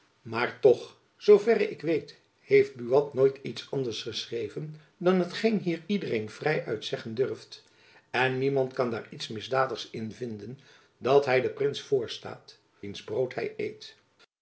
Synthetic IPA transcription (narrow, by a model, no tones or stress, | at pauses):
maːɹtɔχ | z̥owvɛrəɪkʋejt | hejft̚byɑtnoːjtitsɑndəɹsχəsrejvən | dɑnɦətχejnɦiːɹidərejnv̥rɛjʔœɥtsɛχəndʏrft | ɛnːimɑntkɑnda̰ːɹitsmɪzdaːdəχsɪnvɪndən | dɑtɦɛjdəprɪnsfʊːɹsta̰ːt | ʋinzbrowtɦɛ̰jḛjt